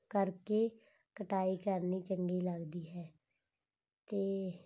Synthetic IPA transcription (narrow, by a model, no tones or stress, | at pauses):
kəɾkeː | kəʈaːiːkəɾniːt͡ʃəŋɡiːləɡd̪iːɦɛː | t̪eː